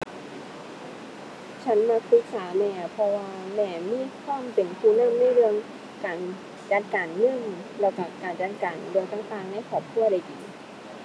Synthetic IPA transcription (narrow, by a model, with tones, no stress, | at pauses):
t͡ɕʰa˦˥nma˧k̚ʰɯ˧˦˥k̚saː˩˦mɛː˧pʰɔ˧waː˧mɛː˧˩miː˧˥˨kʰwaː˧˥˨mpe˨˩ntʰuː˧˩na˧˥˩mna˧˥˩jɾɯ˧əŋ | kaː˨˩n | t͡ɕaː˨˧˩nkaː˨˩nːɯ˧˥˨ŋlɛː˧˩wka˧˩kaː˨˩nt͡ɕaː˧nkaː˨˩nlɯ˧ŋk̪a˧˥˩ŋt̪aː˧ŋna˧˥˨kʰɔː˨˩p̚kʰu˧˥˩əda˧jʔiː˨˩